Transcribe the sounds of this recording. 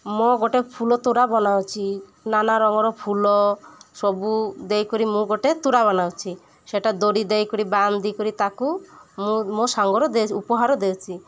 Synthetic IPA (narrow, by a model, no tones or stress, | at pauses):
mɔɡɔʈepʰulɔt̪uɽabɔnawt͡ʃʰi | nanaɾɔŋɔɾɔpʰulɔsɔbud̪ejkɔɾimũɡɔʈet̪uɽaβɔnawt͡ʃʰi | seʈad̪oɽid̪ejkɔɾiband̪ʱikɔɾit̪akumũmɔsaŋɡɔɾɔd̪eupɔɦaɾɔd̪ewt͡ʃʰi